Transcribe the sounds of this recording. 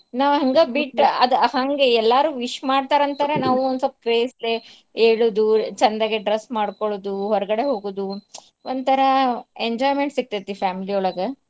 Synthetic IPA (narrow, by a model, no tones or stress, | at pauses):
naːʋɦɐŋɡabiʈɐd̪haŋɡeɛlːaːɾuːʋiʃmaːɽt̪aːɾɐnt̪aːɾenaːʋuond̪sɐp̚kɾeːsle | eːɭuːd̪ut͡ʃɐnd̪aːɡeɖɾɐsmaːɽkoɭoːd̪uɦɔɾɐɡɐɽe̞ɦoːɡoːd̪u | ond̪t̪ʰɐɾɐeɲd͡ʒɔːjmeɳʈsik̚t̪ɐt̪ːifaːmiliɔɭɐɡɐ